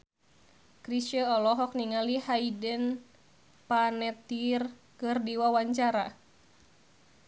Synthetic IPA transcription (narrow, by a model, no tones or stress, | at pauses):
kɾiʃəɔlɔɦɔk̚niŋalihaidən | panɛt̪ir | kɨrdiwawaɲt͡ʃaɾa